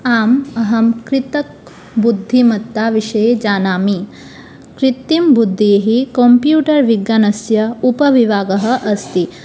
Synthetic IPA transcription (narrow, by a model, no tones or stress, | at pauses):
aːmɐɦɐmkɾit̪ɐk̚ | bud̪ʱːimɐt̪ːaʋiʂɐjed͡ʒaːnaːmi | kɾit̪ːimbud̪ʱːijeɦikompjuːʈɐɾʋiɡjanɐsjɐupɐʋiʋaːɡɐɦɐ̆ʔɐst̪i